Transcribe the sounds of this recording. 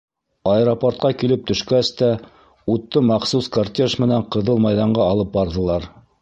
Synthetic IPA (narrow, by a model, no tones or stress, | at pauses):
ɑeɾoport̪̚qɑkilɘp̚t̪ɵ̆ʃkæst̪æ | ut̪ːɤmɑqsuskart̪ʲeʃmɘ̆næɴqɤ̆ðɤlˠmɑjðɑɴɢɑːlˠɤp̚bɑɾðɤ̆lˠɑɾ